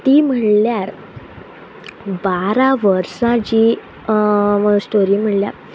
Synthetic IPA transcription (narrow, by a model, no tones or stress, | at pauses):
t̪iːm̤əɽljaɾ | baɾaʋəɾsad͡ʑiː | sʈoɾiːm̤əʈlja̰ɾ